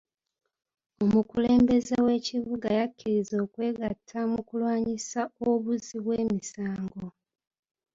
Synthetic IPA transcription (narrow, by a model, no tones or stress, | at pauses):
o̞mukule̞ːmbe̞zewe̞ːciβuɡajakːiɾizo̞ːkwe̞ːɡatʰːamukulwaːɲisao̞βuziβwe̞ːmisaːŋɡo̞